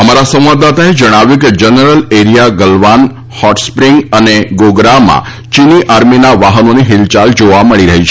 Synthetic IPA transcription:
əmaɾasəmʋad̪at̪aed͡ʒəɽ̃aʋjuked͡ʒənəɾəleɾijaɡəlʋan | hɔʈspɾiŋɡəneɡoɡɾamã̰ | t͡ʃiniʔaɾminaʋaɦənoneɦilt͡ʃald͡ʒoʋaməɭiɾəɦit͡ʃʰ

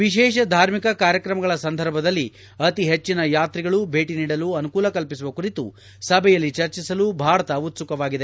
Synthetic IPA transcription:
ʋiʃɛːʃ̬ɐd̪ʱaːɾmikɐkaːɾjɐkɾɐmɐɡɐɭɐsɐnd̪ʱɐɾbʱɐd̪ɐlːi | ɐt̪iɦet͡ʃːinɐjaːt̪ɾiɡɐɭubʱe̞ːʈiniːɽɐluɐnukuːlɐkɐlpisuʋɐkuɾit̪ṵ | sɐbʱɛjɐlːit͡ʃɐɾt͡ʃisɐlubʱaːɾɐt̪ɐut̪sukɐʋaːɡid̪e

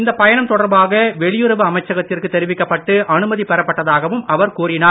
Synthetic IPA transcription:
ɪnd̪ɐpɐjɐɳɐmt̪ɔɽɐɾbaːɣɐʋɛɭɪjɯɾɐʋɯɐmɐɪt͡ʃːɐɣɐt̪ːɪrkɯt̪ːɛɾɪʋɪkːɐpːɐʈːɯʔɐɳɯmɐðipɛɾɐpːɐʈːɐðaːɣɐʋɯmʔɐʋɐɾkuːrɪnaː

